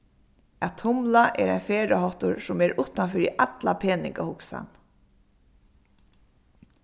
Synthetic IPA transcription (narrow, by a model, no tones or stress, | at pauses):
at̪ʰʊmlaʔɛ̰ɾa̰jnfeːɹɪɦɔht̪ʊɹsʊmɛɾʊht̪ːanfiːɾiʔat̪lapʰeːnɪ̰ŋkahʊksa̰n